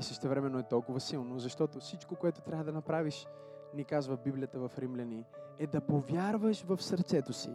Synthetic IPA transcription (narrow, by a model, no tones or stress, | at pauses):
isəʃt̪ɛvɾɛmɛnoɛt̪ɔlˠkʊvəsilˠnozɐʃt̪ɔt̪ofsit͡ʃkokoɛt̪ot̪ɾʲavəd̪ɐnɐpɾaviʃ | nɛkazvəbiblʲijət̪əvɐfɾimlʲɐniɛd̪ɐpovʲjaɾvəʃvəfsəɾt̪sɛt̪osḭ